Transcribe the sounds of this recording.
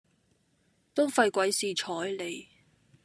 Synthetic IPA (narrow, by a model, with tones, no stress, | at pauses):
t̪o˥wfɐ˧jkʷɐ˨˥jsiː˨t͡ʃʰɔː˨˥jle˨˩j